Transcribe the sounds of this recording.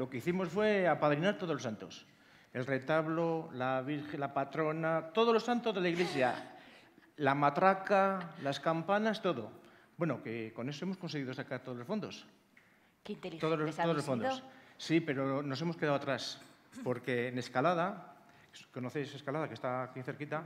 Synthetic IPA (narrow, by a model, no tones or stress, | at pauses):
lo̞keiθimo̞sfwe̞apaðɾinaɾt̪o̞ð̞olo̞sant̪o̞s | e̞lre̞t̪aβlolaβiɾxe̞nlapat̪ɾo̞nat̪o̞ðo̞zlo̞sant̪o̞zðelaiɣle̞sja̰ | lamat̪ɾakalaskampanast̪o̞ðo̞̰ | bwe̞nokeko̞ne̞so̞e̞moskonse̞ɣ̞iðo̞sakaɾt̪o̞ð̞olofo̞nd̪o̞s | t̪oðooolosfond̪ossipe̞ɾo̞no̞se̞mo̞ske̞ðawat̪ɾas | po̞ɾke̞ːne̞skalaða | ko̞noθejseskalaðake̞st̪aːkiθe̞ɾkit̪a